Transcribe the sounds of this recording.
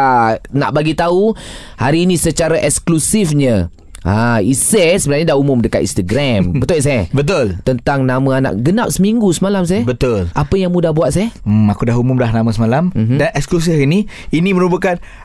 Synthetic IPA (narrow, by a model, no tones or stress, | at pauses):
ana̰ʔbaɡit̪au | haɾiːnĩsət͡ʃaɾaʔɛksklusifɲə | aisəsəbənarɲadahumʊmdəkat̪̚ḭnst̪əɡɾambət̪ʊljiʔs̬ajabət̪̬ʊlt̪ənt̪aŋnamaanã̰ʔɡənap̚səmiŋɡusəmalams̬ajabət̪ʊlapəjaŋmudahbuat̪̚sajaakudaɦumʊmlahnamasəmalamɦdanɛksklus̬ɪfiniiniməɾubəkan